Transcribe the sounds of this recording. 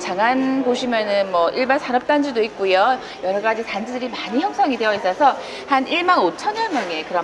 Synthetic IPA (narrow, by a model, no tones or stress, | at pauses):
t͡ɕaŋanpoɕʰimjʌnɯnmwʌʔiɭbansʰaɾʌp̚t͈and͡ʑidoik̚k͈ujo | jʌɾʌɡad͡ʑitand͡ʑidɯɾimaɲiçjʌks͈ʌŋide̞ʌis͈ʌsʰʌ | haniɭmanot͡ɕʰʌɲʌnmjʌŋe̞kɯɾʌ